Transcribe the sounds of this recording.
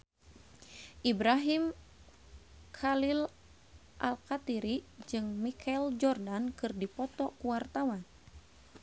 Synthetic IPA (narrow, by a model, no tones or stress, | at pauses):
ʔibɾaɦim | kʰalil | ʔa̰lkat̪iɾid͡ʒɨŋmikʰald͡ʒɔrdankɨrdipɔt̪ɔkuwart̪awan